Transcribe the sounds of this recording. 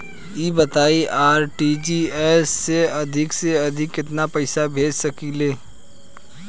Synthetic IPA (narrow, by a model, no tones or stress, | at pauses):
iːbɐt̪aːiʔaːɾʈid͡ʒiɛːsːeɐd̪ʱɪkseɐd̪ʱɪkɪt̪napɐɪsabʱeːd͡ʒsɐkileː